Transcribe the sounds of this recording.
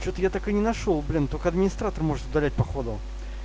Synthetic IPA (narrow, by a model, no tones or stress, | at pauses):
t͡ɕot̪əjat̪akɨnʲɪnɐʂolˠblʲint̪okəɐd̪mʲɪnʲɪst̪ɾat̪ərmo̞ʐɨt̪ʊd̪ɐlʲæt̚ʲpɐxo̞d̪ə